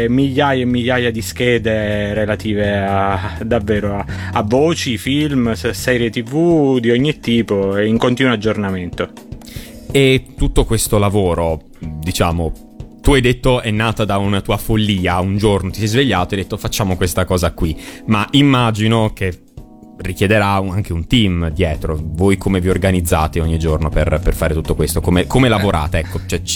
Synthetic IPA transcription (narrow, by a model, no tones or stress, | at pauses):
miʎːaːjeemːiʎːaːjad̪iskɛːd̪eɾelat̪iːvead̪avːeːɾoa | avːoːt͡ʃifilmssɛːɾjet̪ivud̪iɔɲːit̪ːiːpoeiŋkont̪iːnwoad͡ʒːornament̪o | et̪ːut̪ːokwest̪olavoːɾo | d̪it͡ʃa̰ːmo | t̪uajd̪et̪ːoɛnːaːt̪ad̪aunat̪uːafolːiːaund͡ʒornot̪i̥sɛjzveʎːaːt̪oajd̪et̪ːofat͡ʃːaːmokwest̪akɔːzakwimaʔimːad͡ʒinoke | rik̟jed̪eɾauaŋk̟eunt̪imd̪jɛːt̪ɾovojkʰomeviorɡanid̪zːa̰ːt̪eoɲːid͡ʒornoperperfaːɾet̪ut̪ːokwest̪okomekomelavoɾʔa̰ːt̪eɛkːot͡ʃoɛ